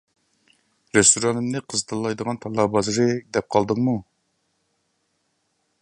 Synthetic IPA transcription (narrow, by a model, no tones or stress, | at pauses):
ɾest̪ʰuɾɑnɨmnɨqʰəzt̪ʰɨlˠːɑjd̪əʁɑnt̪ʰɑlˠːɑːbɑzɨɾɨd̪ɛp̚qʰɑlˠd̪ɨŋmu